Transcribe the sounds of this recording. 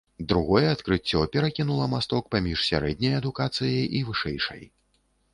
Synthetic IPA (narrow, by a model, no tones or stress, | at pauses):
d̪ɾuɣɔjɛɐt̪kɾɨt͡sʲːɔpʲɛɾakʲinulˠɐmast̪ɔk̚pamʲiʂsʲa̰ɾɛd̪ʲnʲɐjɐd̪ukat̪sɨjɐjivɨʂɛjʂɐ̰j